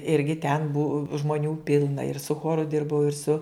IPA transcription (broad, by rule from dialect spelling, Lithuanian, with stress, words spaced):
ˈɪrʲɡʲɪ tʲɛn bʊw ʒmoːˈnʲuː ˈpʲɪlˠnɐ ɪr sʊ ˈxoːrʊ ˈdʲɪrbɐʊ ɪr sʊ